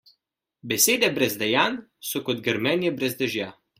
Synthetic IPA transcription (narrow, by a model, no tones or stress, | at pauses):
bɛseːd̪ɛbɾɛzd̪ɛjaːn | sɔkɔd̪ɡɛɾmɛnjɛbɾɛzd̪ɛʒjaː